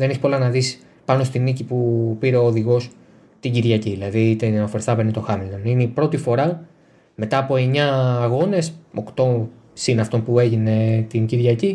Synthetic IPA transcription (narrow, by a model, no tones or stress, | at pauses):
ðeneçi̥polɐnɐðis | pɐno̞st̪inicipupiɾe̞oːðiɣo̞s | t̪iɟiɾʝɐciðilɐðit̪enɐfoɾθɐpenit̪o̞xɐmilt̪onineipɾo̞t̪ifo̞ɾɐ | me̞t̪ɐːpo̞e̞ɲɐːɣo̞ne̞so̞kt̪o̞ | sinɐft̪o̞npue̞ʝine̞t̪inɟiɾʝɐci